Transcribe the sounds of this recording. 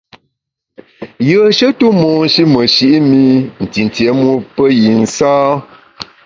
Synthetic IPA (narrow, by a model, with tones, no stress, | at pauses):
jə˨ʃə˦tu˦mɔ˨n˦ʃi˦mə˨ʃi˦ʔmi˦n̩˨ti˨n˨tje˨˦mu˦pə˦ji˨n̩˨saː˦